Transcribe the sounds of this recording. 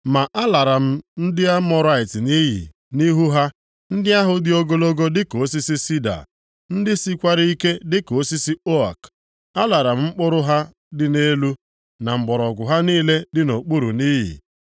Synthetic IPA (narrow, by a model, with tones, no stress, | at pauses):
ma˨ʔa˦la˨ɾa˨m̩˦n̩˦dɪ˦a˦mɔ˦ɾa˦ɪ˨tni˦ɦḭ˨ | ni˦ɦu˦ɦa˦ | n̩˦dɪ˦a˦ɦʊ˨dɪ˦o˦ɡo˦lo˦ɡo˦dɪ˦ko˨˦si˦si˦si˦da̰˨ | n̩˦dɪ˦si˦kʷa˦ɾi˦i˦ke˦dɪ˦ko˨˦si˦si˦o˦a̰˨k | a˦la˨ɾa˨m̩˦ŋ͡m̩˦k͡pʊ˦ɾʊ˦ɦa˦ | dɪ˦ne˦lu˦ | na˨m̩˨bɔ˨ɾɔ˨ɡʷʊ˨ɦa˦niː˦le˦dɪ˦no˨k͡pu˦ɾu˨niː˦ɦḭ˨